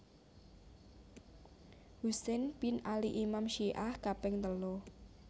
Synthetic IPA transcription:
husɛnpinaliʔimamʃiʔahkapɛŋt̪əlo

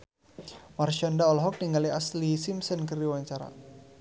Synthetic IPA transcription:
marʃɔndaɔlɦɔk̚niŋɡaliaslisimsənkəɾiwaɲt͡ʃaɾa̰

